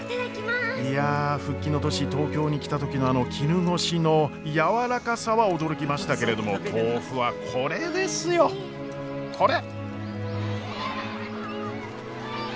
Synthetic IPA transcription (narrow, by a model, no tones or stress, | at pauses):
iaɸɯ̟kʲːino̞t̪o̞ɕit̪o̞ːkʲo̞ːɲ̟ikʲi̥t̪at̪o̞kʲino̞ano̞kʲʰiɾɯ̟no̞ɕino̞jaβaɾakasaβao̞d̪o̞ɾo̞kʲimaɕi̥t̪ake̞ɾe̞d̪o̞mo̞t̪ʰo̞ːɸɯ̟βakʰo̞ɾe̞d̪e̞sɨjo̞ | kʰo̞ɾe